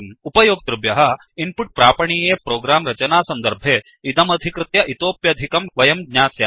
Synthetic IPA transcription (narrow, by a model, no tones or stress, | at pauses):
upɐjoːɡ̚t̪ɾubjɐɦɐ̆ | impuʈ̚pɾaːpɐɳiːjeːpɾoːɡɾaːmɾɐt͡ʃɐnaːsɐnd̪ɐɾbʱeː | it̪ɐmɐd̪ʱikɾɪt̪jɐʔit̪oːpjɐd̪ʱikɐmʋɐjɐmɡɲaːsja